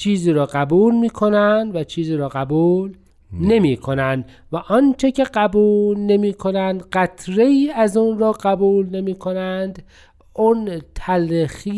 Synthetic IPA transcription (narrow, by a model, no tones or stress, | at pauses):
t͡ʃʰiːziːɾɒːɢæbuːlmiːkʰonænd̪væt͡ʃʰiːziːɾɒːɣæbuːl | ne̞miːkʰo̞nænd̪ | væʔɒnt͡ʃʰe̞cʰe̞ɢæbuːllne̞miːkʰonænd̪ɢæt̪ʰɾe̞iːæzuːnɾɒːɡæbuːlne̞miːkʰonænd̪ | ʊnt̪ʰælxiː